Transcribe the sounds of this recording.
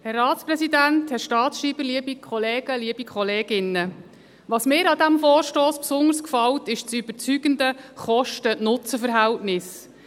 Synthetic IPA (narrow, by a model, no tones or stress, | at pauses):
hɛrːɑːtsprɛsidænthɛʃtɑːt̪sʃiːb̥əɾliəbikʰχɔleːɡ̥əliəb̥ikʰχɔleːɡɪnːə | ʋɑsmɪːɾɑd̪æmfoːɾʃtoːspsʊndəɾskfɑltɪʃt͡syb̥əɾt͡syɡ̥əndəχɔʃtənʊt͡səfəɾɦæltnɪs